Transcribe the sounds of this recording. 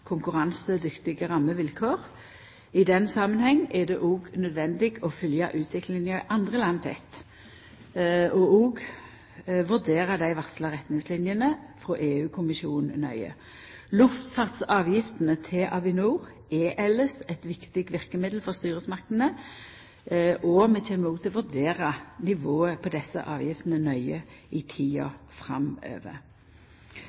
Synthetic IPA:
kʰʊŋkʉʁɑnsəd̪ʏkt̪ɪɡəʁɑmːəʋɪlkʰoːʁ | ɪd̪ɛnsɑmənhɛŋːɛd̪ɛʔoːɡnœd̪ʋɛnd̪ɪɡɔfʏljɑ̰ʔʉːt̪ʰʋɪklɪŋəʔɑnd̪ʁəlɑnt̪ʰɛ̰t̪ | ɔoːɡ | ʋʉʁd̪eːʁəd̪æɪʋɑslɑʁɛt̪nɪŋslɪnjənəfʁoːʔeːʉːkʰʊmɪʃuːnnœ̰ʏə̰ | lʉft̪fɑʁt̪sɑːʋjɪft̪ənət̪ʰɪʔɑʋɪnuːʁ | ʔɛʔɛlːəsɛt̪ʋɪkt̪ɪɡ̪̚ʋɪʁkəmɪd̪l̩fɔʁst̪yːʁəsmɑʁkt̪n̩ə | ʔɔmɛt̪ʰɛːməuːt̪ʰɪlɔʋʉʁd̪eːʁənɪʋoːəpʰɔd̪ɛsːə̰ʔɑːʋjɪft̪nənœʏəɪt̪ʰiːɑ̰fʁɑmø̰ːʋə̰

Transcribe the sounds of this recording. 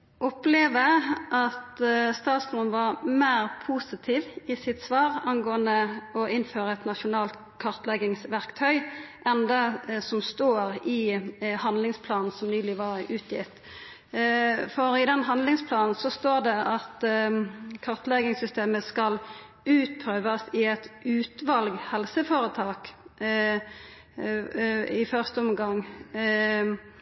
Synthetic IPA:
ʔɔpleːʋəʔɑt̪st̪ɑːt̪smʊnʋɑʁmæːʁpʰuːsɪt̪ʰiːʋɪsɪt̪sʋɑːɾɑŋɡoːənd̪əɔʔɪnføːɾəɛt̪nɑʃʊnɑːlt̪ | kʰɑʁt̪lɛɡɪŋsʋæʁkt̪ʰœʏʔɛnd̪ɛsɔmst̪oːɾɪhɑnd̪lɪŋspʰlɑːnn̩sɔmnyːlɪʋɑɾʉːt̪ʰjɪt̪ | fɔɾɪd̪ɛnɦɑnlɪŋspʰlɑːnn̩sɔst̪oːʁd̪ɛʔɑt̪ | kʰɑʁt̪lɛɡɪŋsʏst̪eːməskɑl | ʉːt̪̚pʰɾøːʋɑsɪɛt̪ʉːt̪ʋɑlɡhɛlsəfɔɾət̪ʰɑːk | ɪfœʁst̪əɔmɡɑŋ

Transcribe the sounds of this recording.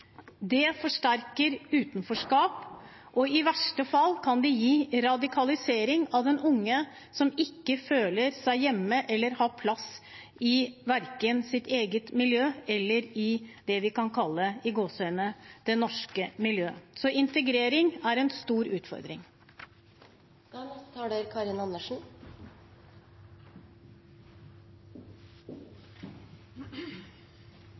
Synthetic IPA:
d̪ɛfɔʂʈæɾkəɾʉːt̪nfɔʂkɑːp | ʔɔɪʋæʂʈəfɑlːkʰɑnd̪ɛjiːɾɑd̪ɪkʰɑlɪseːɾɪŋɑʋd̪ɛnʊŋːə | sɔmɪkːəføːləɾsæɪjɛmːəʔɛlːəɾhɑːpʰlɑs | ɪʋæɾkənsɪt̪ʰeːɡət̪mɪljøːɛlːəɾɪd̪ɛʋɪkɑnkʰɑlːəɪɡoːsœʏnəd̪̥ɛnɔʂkəmɪljøːsɔʔɪnt̪əɡɾeːɾɪŋæɾɛnst̪uːɾʉːt̪fɔ̰ɾd̪ɾɪ̰ŋ | d̪̥ɑnɛst̪ɑːɖeɾkʰɑːɾɪnɑnːəʂɳ̩

